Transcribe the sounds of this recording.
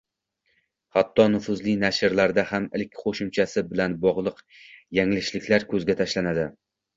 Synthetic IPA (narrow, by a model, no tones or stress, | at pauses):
hat̪ʰːɒnʊfʊzlɪnaʃɪɾlaɾd̪ahamɪlkʲqʰoʃɪmt͡ʃʰasɪbɪlanbɒʁlˠɨq | jaŋlɪʃlɪkʲʰlaɾkʰɵzɡʲat̪ʰaʃlanad̪ɪ